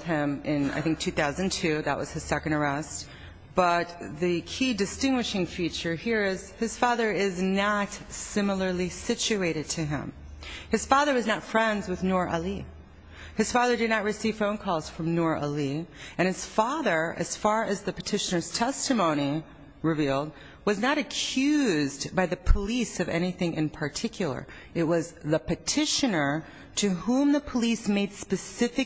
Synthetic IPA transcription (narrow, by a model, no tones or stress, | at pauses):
ð̥ɪ̃mɪ̃na̰ɪθɪ̃ŋk̚tʰʉθaʊzɨ̃ntʰʉðə̰ʔ̚wʌ̰z̥ɨz̥sɛkɨ̃ndə˞ɛst̚ | b̥ʌt̪̚ðɨkʰidɨstɪ̃ŋɡwɨʃɪ̃ŋfit͡ʃə˞hiɹɪz̥ɨz̥fɑðə˞ɪznətsɪ̃ml̩ˠə˞lˠisɪt͡ʃʉeɪɾɨd̚tʰɨɪ̰̃m | ɨz̥fɑðə˞wʌznətfɹɛ̃ndzwɨðnɔɹʔəli | ɨz̥fɑðə˞dɨdⁿnɨt̚ɹɨsiv̥fõʊ̃nkʰɔlˠz̥fɹʌ̃mnɔɹə̰liɨ̃ñɨz̥fɑðə˞ʔɨ̰z̥fɑɹɨzðɨpɨtʰɪʃɨnə˞z̥tʰɛstɨmõʊ̃ñi | ɹɨvilˠd̚ | wʌznəɾɨkʰj̥ʉzbaɪðɨpʰəlisʌvɛ̰ñiθɪ̃ŋʔɨ̰̃npʰə˞tʰɪkʰjl̩ˠə̰˞ | ɨt̚wʌzðɨpʰɨtʰɪʃɨnə˞ | ɾɨhũmðɨpʰəlismeɪd̥spɨsɪfɨ